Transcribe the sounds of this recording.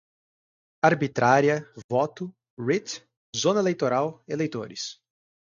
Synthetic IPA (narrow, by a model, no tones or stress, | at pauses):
aɾbit̪ɾaɾiɐvɔt̪ʊ | ɾit̪ | zõnɐelejt̪oɾawelejt̪o̰ɾɪ̰s